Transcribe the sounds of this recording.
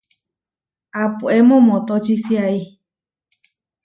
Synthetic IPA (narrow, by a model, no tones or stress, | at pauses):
apuemõmõt̪ot͡ʃisiai